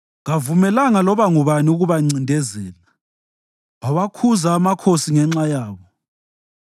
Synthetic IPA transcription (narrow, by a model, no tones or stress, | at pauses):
ŋavumɛlaŋalɔβaŋuβaniuɣuβaŋ͡ǀindʱɛzɛːla | waβakʰuzaːmakʰosiŋɛŋ͡ǁajaːβɔ